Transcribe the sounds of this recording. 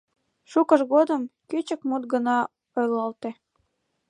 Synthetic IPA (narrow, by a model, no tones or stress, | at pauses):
ʃukəʃɣod̪əmkyt͡ɕəkmut̪̚ɡənɑ | ojlɑlt̪e